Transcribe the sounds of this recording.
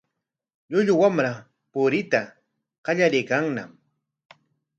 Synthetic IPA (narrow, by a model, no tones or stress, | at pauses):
ʎʊʎʊwamɾa | pʊɾɪt̪a | qɑʎaɾɪjkaŋnam